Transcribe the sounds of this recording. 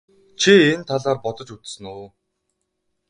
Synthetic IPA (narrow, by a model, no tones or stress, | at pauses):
t͡ɕʰient̪ʰaɮaːrpɔt̪ɞ̆t͡ɕut͡s̪sɘ̆nuː